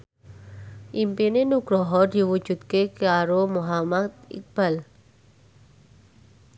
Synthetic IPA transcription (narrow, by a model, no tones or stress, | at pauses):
ʔimpinenuɡ̥ɾɔɦɔd̪̥i̤wud̥ʒ̥ṳt̪̚kekaɾomuɦamat̪̚ḭk̚b̥al